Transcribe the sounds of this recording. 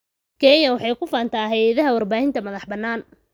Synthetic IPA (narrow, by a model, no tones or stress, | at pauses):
kʰɛjɐwɑħɑjkʰʊfaːnt̪ʰaːɦɛjɐðɐɦɐwɐrbaːhɪnt̪ʰɐmɐðɑħbɐnːaːn